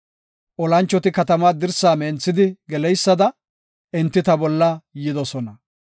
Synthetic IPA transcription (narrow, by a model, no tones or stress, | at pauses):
ʔɔlɐnt͡ʃːɔt̪ɪkɐt̪ɐmaːd̪ɪɾsaːmeːnt͡sːɪd̪ɪɡɛlɛjsːɐd̪ɐ | ʔɪɛnt̪ːɪt̪ɐbɔlːɐjɪd̪ɔsɔnɐ